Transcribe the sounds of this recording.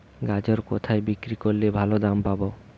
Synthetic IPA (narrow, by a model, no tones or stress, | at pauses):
ɡad͡ʑoɾkot̪ʰaebikɾikoɾlebʱalod̪ampabo